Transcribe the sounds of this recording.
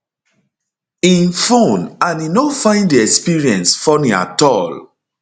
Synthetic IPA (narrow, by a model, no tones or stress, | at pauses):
ĩnfõnãninofãɪ̃ndiɛkspiɹiɛ̃nsfɔnĩa̰tɔl